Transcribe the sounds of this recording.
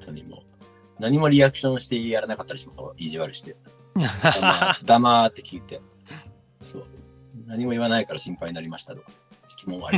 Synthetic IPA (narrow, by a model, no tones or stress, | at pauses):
t̪ʰoɲ̟imo̰ː | naɲ̟imo̞ɾʲiakɯ̥ɕõɰ̃ɕi̥t̪e̞jaɾanakat̪ːaɾiɕimaso̰iʑiβaɾɯ̟ɕi̥t̪e | aad̪amat̪ːe̞̥kʲiːt̪e̞ | so̞̰ː | naɲ̟imo̞iβanaikaɾaɕĩmpaiɲ̟inaɾʲimaɕi̥t̪at̪ok | si̥kʲimõa̰ɾi